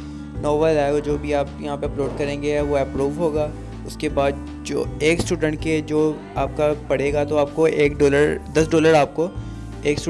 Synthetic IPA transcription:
nɔːʋəɾɛɡod͡ʒoːbʱiaːpjɐɦãːpeɐploːɖkɐɾẽːŋɡeɛʋoɛpɾuːʋɦoːɡaː | ʊskebaːd̪̚ | d͡ʒo̰ːeːksʈuːɖə̃ɳʈ̚ked͡ʒoː | aːp̚kapɐɽ̤eːɡat̪oaːp̚koeːkɖoːləɾd̪ɐsɖoːləɾaːp̚ko | eːksʈu

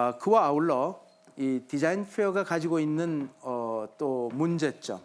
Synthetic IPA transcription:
kɯwaːuɭːʌ | itid͡ʑainpʰejoɡakad͡ʑiɡoinːɯnʌt͈omund͡ʑe̞t͡ɕ͈o̰

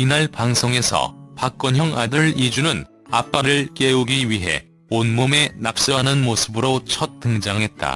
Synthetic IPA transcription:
inaɭpaŋsʰoŋe̞sʰʌ̰pak̚k͈ʌnjʌŋadɯɭid͡ʑunɯn | a̰p͈aɾɯɭk͈e̞uɡiɥiɦe̞̰ | onmome̞nap̚s͈ʌɦanɯnmosʰɯbɯɾot͡ɕʰʌt̚t͈ɯŋd͡ʑaŋɦe̞t̚t͈a̰

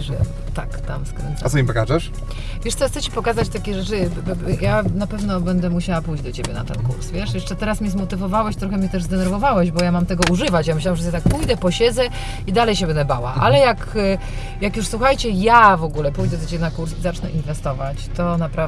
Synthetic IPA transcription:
ʐɛ̰ | t̪akt̪a̰mskɾɛ̰nt̪sasɔimpɔkaʐɛʂ | vʲjɛʂt̪sɔxt̪sɛt͡ɕi̥pɔkazat͡ɕt̪akʲɛʐɛt͡ʂɘjanapɛvnɔbɛnd̪ɛmuɕawapujd͡ʑd̪ɔt͡ɕebʲjɛna̰t̪ɛ̰nkṵɾsvʲjɛʂjɛʂt͡ʂɛt̪ɛɾasmʲɛzmɔt̪ɘvɔvawɛɕt̪ɾɔxɛmʲɲɛt̪ɛʐzd̪ɛnɛɾvɔvawɛʑbɔjamamt̪ɛɡɔuʐɘvat͡ɕjamɘɕ̬lawamʐɛt̪t̪ak̚pujd̪ɛpɔɕɛd̪zɛ | id̪alɛjɕ̬ɛbɛnd̪ɛbawa̰ʔʔa̰lɛjak | jakjuʂswuxajt͡ɕɛjavɔɡulɛpujd̪ɛd̪ɔt͡ɕebʲjɛnakuɾszat͡ʂnɛʔinvɛst̪ɔvat͡ɕt̪ɔnapɾa

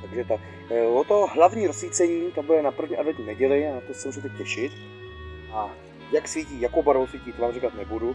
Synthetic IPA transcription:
t̪aɡʒɛt̪a | ot̪oɦlavɲiːɾosviːt͡sɛɲiːt̪abudɛnapr̩vɲiʔadvɛtɲnɛɟɛlɪat̪osɛmusit̪acɛʃɪt̪ | ʔa | jaksviciːjakowbaɾvowsvʲiːciːt̪ovaːmrikat̪nɛbudu

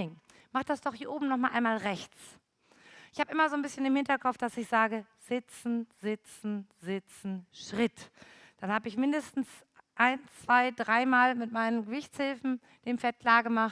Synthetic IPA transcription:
ɪŋ | maχtd̥asd̥ɔχhiːɐʔoːbm̩nɔχmaːlʔa̰ɪnmaːlʁɛçt͡s | ʔɪçhaːbəʔɪmɐzoːnbɪsçənɪmhɪntɐkʰɔpfd̥asɪçz̥aːɡə | z̥ɪt͡sn̩z̥ɪt͡sn̩z̥ɪt͡sn̩ʃʁ̥ɪt | d̥anhaːbəɪçmɪndəstn̩s | ʔaɪnt͡sv̥aɪdʁaɪmaːlmɪtmaɪnənɡəvɪçt͡shɪlfn̩ | d̥eːmfɛt̚kʰl̥aːɐɡəmaχt

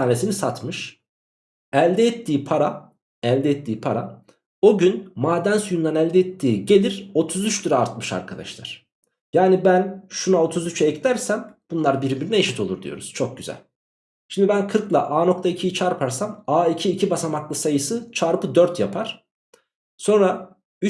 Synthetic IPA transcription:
aːnesinisat̪mɯʃ | ælʲd̪ɛɛt̪ʰːiːpʰaɾa | ælʲd̪ɛɛt̪ʰːiːpʰaɾa̰ | o̞ɟynmaːd̪ænsujund̪anælʲd̪ɛɛt̪ʰːiːɟe̞lʲiɾ̥o̞t̪ʰuzyt͡ʃt̪uɾaːɾt̪mɯʃa̰ɾkʰad̪a̰ʃlˠa̰ɾ̥ | jaːnibænʃunao̞t̪ʰuzyt͡ʃʰɛclʲæɾsæmb̥unlˠaɾbiɾbiɾinɛeʃit̪ʰo̞lˠuɾd̪ḭjo̞̰ɾuz̥t͡ʃʰo̞k̚ɟyzæ̰lʲ | ʃimd̪ibænkʰɯɾklˠaʔaːno̞k̚t̪ʰaicʰijit͡ʃʰaɾpʰaɾsamaːicʰiːcʰibasamaklˠɯsajɯsɯt͡ʃʰaɾpɯd̪øɾt̪japʰaɾ̥ | so̞nɾa | y

